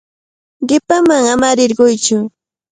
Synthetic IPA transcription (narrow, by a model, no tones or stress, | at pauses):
ɢɪpamaŋamaɾɪɾɢʊjt͡ʃʊ